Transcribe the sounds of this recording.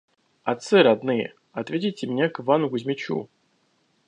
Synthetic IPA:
ɐt̪sɨɾad̪nɨjə̰ | ɐt̪vʲetʲɪjtʲɪmʲnʲakɨvanʊɡʊzʲmʲɪt͡ɕṵ

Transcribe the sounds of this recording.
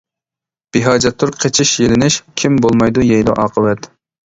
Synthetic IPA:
b̥ɪɦɑːd͡ʒɛt̪ʰːuɾqʰet͡ʃʰɪʃjelɪnɪʃkʲʰimbolˠmɑjd̪ujɛjlɑ̰ʔɑ̰ːqʰəwɛt̪

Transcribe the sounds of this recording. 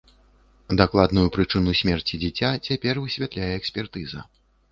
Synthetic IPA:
d̪aklˠad̪nujupɾɨt͡ʂɨnusʲmʲɛrt͡sʲid͡zʲit͡sʲat͡sʲapʲɛrvɨsʲvʲat̪lʲajɛːksʲpʲɛrt̪ɨzɐ̰

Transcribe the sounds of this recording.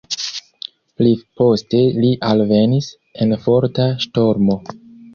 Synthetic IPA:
plipo̞ste̞liʔalve̞nis | e̞nfo̞ɾtaʃto̞ɾmo̞

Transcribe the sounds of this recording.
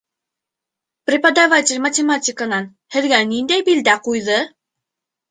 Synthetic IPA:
prʲɪpəd̪avatʲɪlʲmətʲɪmatʲɪkənɑn | hɘ̆ðɡænind̪æjbild̪æqujðɤ

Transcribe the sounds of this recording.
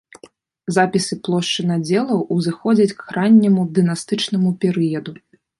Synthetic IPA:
zapʲisɨplˠɔʂt͡ʂɨnad͡zʲɛlˠɐwuzɨxɔd͡zʲɐt͡sʲkxɾanʲːɐmud̪ɨnast̪ɨt͡ʂnɐmupʲɛɾɨjɐd̪u

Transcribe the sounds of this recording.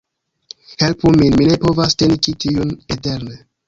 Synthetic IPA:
he̞lpuminmine̞po̞vaste̞nit͡ʃitiunete̞ɾne

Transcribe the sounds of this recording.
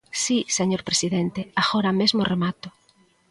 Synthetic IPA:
siseɲoɾpɾesiðent̪eaɣoɾamezmoremat̪ʊ

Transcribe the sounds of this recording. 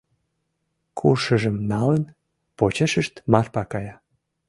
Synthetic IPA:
kʰṵrʃəʒəmnɑlən | pot͡ɕeʃəʃt̪mɑrpɑkɑjɑ

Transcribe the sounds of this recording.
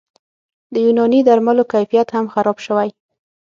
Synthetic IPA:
d̪əjunɑnid̪aɾmalokajfijat̪hamxaɾɑbʃəwaj

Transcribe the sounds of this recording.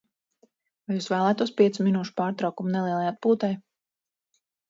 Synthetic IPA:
vajuːsvæːlˠæːt̪uɔspiɛsuminuːʃu̥paːɾt̪ɾɑwkumunɛlˠiɛlˠajat̪̚puːt̪aj

